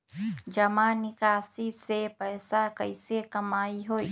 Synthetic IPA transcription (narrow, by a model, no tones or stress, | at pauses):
d͡ʒəmanɪkaːsisepɛːsakəɪsekɐmaːiɦoːi